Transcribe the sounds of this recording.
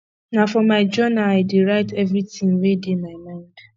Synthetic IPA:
nafɔmaɪd͡ʒɔnaaɪdeɾaɪtɛvɾitĩŋwedemaɪmãɪ̃nd̥

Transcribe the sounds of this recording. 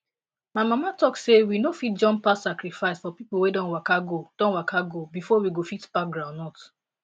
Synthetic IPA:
maɪmamatɔksewinofit̚d͡ʒɔ̃npassakɾifaɪsfɔpipl̩wedɔ̃nwakaɡod̥ɔ̃nwakaɡobifɔwiɡofitb̥ak̚ɡɾãʊ̃nnɔt

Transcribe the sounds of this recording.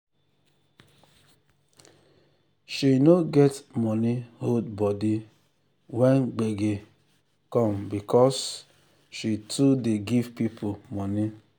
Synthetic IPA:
ʃinoɡɛtmɔnihodbɔdi | wɛnɡ͡beɡe | kɔ̃mbikɔs | ʃitʰudeɡivpipʰomɔni

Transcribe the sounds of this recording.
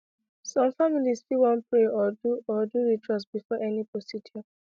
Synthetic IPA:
sɔ̃mfamilisfiwɔ̃npɹeɔduɔduɹitɹɔsb̥ifɔʔɛniposidʰiɔ

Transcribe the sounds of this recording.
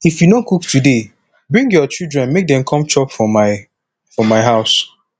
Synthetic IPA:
ifjunõkuktude | bɹĩŋɡjɔt͡ʃildɹɛ̃nmek̚dɛ̃mkʰɔ̃mt͡ʃɔpɔmaɪ | fɔmaɪɦaʊs

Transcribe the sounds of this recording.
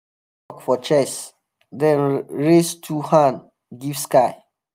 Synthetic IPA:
ɔkfɔt͡ʃɛs | dɛ̃nɹestʰuhãn | ɡivskaɪ

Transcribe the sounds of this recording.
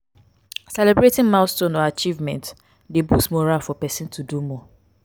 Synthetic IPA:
sɛlebɹetɪ̃ŋmãstõnɔat͡ʃivmɛ̃nt | debusmoɾafɔpɛsɪ̃ntʰudumɔ

